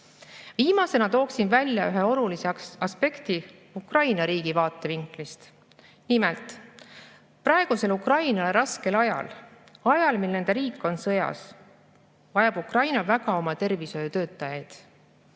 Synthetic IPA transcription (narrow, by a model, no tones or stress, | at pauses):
viːmɑse̞nɑt̪o̞ːksinvælʲjɑyɦeolulisesɑspe̞kt̪i | ukrɑjnɑɾiːɡ̥ivɑːt̪ːˑe̞viŋklist̪ | nimelt̪ˑ | prɑeɡ̥use̞lukrɑjnɑle̞ɾɑske̞lɑjɑ̰l | ɑjɑlmilne̞nd̪̥e̞ɾiːkːˑo̞nsɤjɑ̰s | vɑjɑb̥ukrɑjnɑvæɡɑo̞mɑt̪e̞rviso̞jut̪ø̞ːt̪ːˑɑjɑjd̪̥